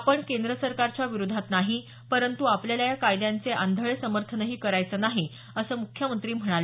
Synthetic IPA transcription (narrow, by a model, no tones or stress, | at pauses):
pəɳkend̪ɾəsəɾkaɾt͡ɕjaʋiɾud̪ʱat̪naɦi | pəɾənt̪uapljaljajakajd̪jãnt͡seʔand̪ʱəɭesəməɾt̪ʰənəɦiːkəɾajt͡səːnaɦi | əsəːmukʰjəmənt̪ɾiːm̤əɽ̃ale